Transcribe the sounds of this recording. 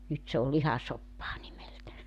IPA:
nyt se ol lihɑsopːɑː nimeltæ

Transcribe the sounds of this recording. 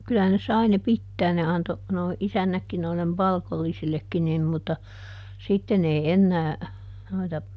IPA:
kylæhæn ne sɑi ne pitːæːn ne ɑnto noˑi isænːækːi noilːem pɑlkolːisilːekːi nim mutːɑ sitːen ei enːæː noitɑ

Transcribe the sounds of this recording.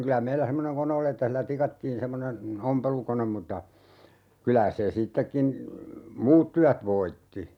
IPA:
kylæ meilːæ semːoneŋ kone oli etːæ hilːæ tikɑtːiːn semːonen ompelukonem mutːɑ kylæ se sitːekːin muːt tyæt ʋoitːi

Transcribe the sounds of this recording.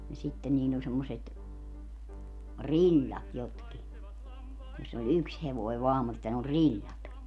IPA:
jɑ sitːen niːlː olʲ semːoset rilʲːɑt jotki josː olʲ yks heʋoi ʋɑːm mutːɑ ne olʲ rilʲːɑt

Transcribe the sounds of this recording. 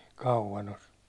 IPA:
kɑuʋɑn os

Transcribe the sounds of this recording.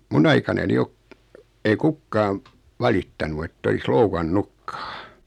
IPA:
mun ɑikɑnɑni ok ei kukːɑːm̆ ʋɑlitːɑnu etː olis loukɑnːukːɑ̥ː

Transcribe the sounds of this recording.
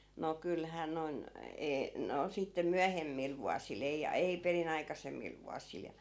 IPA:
no kylhæː noĭn eː no sitːe myæhemːil ʋuɑsil ei ei perin ɑikɑsemːil ʋuɑsil jɑ

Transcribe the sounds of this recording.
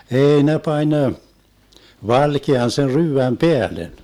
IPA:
ei ne pɑnʲ ʋɑlkeɑn sen ryːʋæm peælen

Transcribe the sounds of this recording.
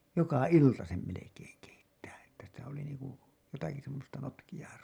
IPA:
jokɑ iltɑ sem melekeːŋ keitːæː etːæ sitæ oli niːŋku jotɑki semːostɑ notkij̆ɑː

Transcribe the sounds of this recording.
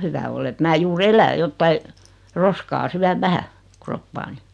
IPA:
hyʋæ olː et mæː juːr elæ jotːɑi roskɑː syæʋ ʋæhæ kropːɑːni

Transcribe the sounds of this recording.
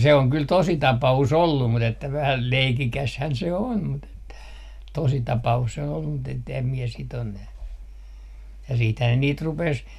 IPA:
se oŋ kyl tosi tɑpɑus olːum mut etːæ ʋæhæl leikikæshæn se on mut etːæ tositɑpɑus se on olːum mut etːem mie sit on næ jɑ siːthæː ne niːt rupes

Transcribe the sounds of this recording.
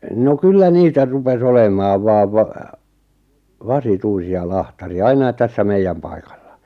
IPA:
no kylːæ niːtæ rupes olemˑɑːʋ ʋɑːʋ ʋɑ ʋɑsituisiɑ lɑhtɑriɑ ɑinɑit tæsːæ meijːæm pɑikɑ̥l̥ːɑ̥

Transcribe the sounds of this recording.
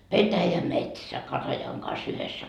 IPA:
petæjæmetsæ kɑtɑjɑŋ kɑs yhesːæ

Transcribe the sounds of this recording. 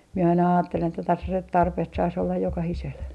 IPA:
mie ɑinɑ ɑːtːelen etːæ tɑsɑset tɑrpeht sɑis olːɑj jokɑhisel

